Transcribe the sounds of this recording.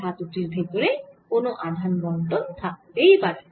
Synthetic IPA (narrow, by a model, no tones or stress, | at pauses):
at̪uʈiɾbʱet̪oɾekonoʔad̪ʱanɡɔɳʈont̪ʰaejba